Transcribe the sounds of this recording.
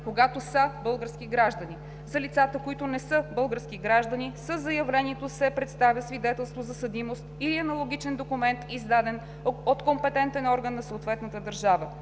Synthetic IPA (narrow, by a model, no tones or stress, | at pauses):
koɡat̪osəbɤlˠɡəɾsk̟iɡɾaʒd̪əni | zɐlit̪sat̪əkoit̪ʊnɛsɤbɤlˠɡəɾskiɡɾaʒd̪ənisəzɐjɐvlɛniɛt̪osɛpɾɛt̪st̪avʲəsvid̪ɛt̪ɛlˠst̪vozɐsɐd̪imost̪iliɐnɐlˠoɡʲit͡ʃɛnd̪okumɛnt̪izd̪ad̪ɛn | ot̪kompɛt̪ɛnt̪ɛnɔɾɡənːɐsoot̪vɛt̪nət̪əd̪əɾʒavə